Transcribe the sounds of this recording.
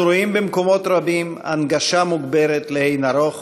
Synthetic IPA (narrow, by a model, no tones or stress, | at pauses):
ɾoimbemko̞mo̞t̪ɾabima̰nɡaʃamuɡbeɾet̪lehejnaɾo̞χ